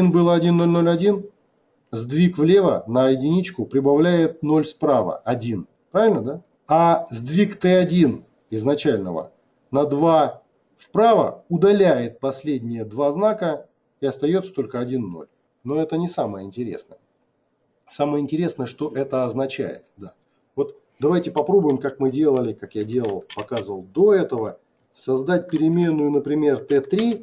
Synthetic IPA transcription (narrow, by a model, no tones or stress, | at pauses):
inbɨlˠəɐdʲinno̞lʲno̞lʲɐdʲin | zd̪vʲikvlʲe̞vənəjɪdʲɪnʲit͡ɕkʊpɾʲɪbɐvlʲæjɪt̪̚no̞lʲspɾavə̰ɐdʲin | pɾavʲɪlʲnəd̪a | azd̪vʲikt̪ɛɐdʲin | ɪznɐt͡ɕælʲnəvə̰ | nɐd̪va | spɾavə̰ʊd̪ɐlʲæjɪt̪̚pɐsʲlʲedʲnʲɪjəd̪vaznakə | ɪɐst̪ɐjo̞t̪sə̥t̪o̞lʲkəɐdʲinːo̞̰lʲ | no̞ɛt̪ənʲɪsaməjəɪnʲtʲɪɾʲḛsnəjə | saməjəɪnʲtʲɪɾʲe̞snəjəʂt̪o̞ʔɛt̪əɐznɐt͡ɕæ̰jɪ̰t̪d̪a | vo̞t̪ | d̪ɐvajtʲɪpɐpɾo̞bʊjɪmkakmɨdʲe̞lˠəlʲɪkakjadʲe̞lˠəlˠpɐkazəvəlˠd̪o̞ɛt̪əvə | sɐzd̪at̚ʲpʲɪɾʲɪmʲe̞nːʊjʊnəpɾʲɪmʲe̞rt̪ɛt̪ɾʲi